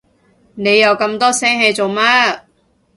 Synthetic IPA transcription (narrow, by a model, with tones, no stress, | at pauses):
ne˨˧jːɐ˨˧wkɐ˧mt̪ɔː˥sɛː˥ŋɦe˧jt͡so˨wmaː˥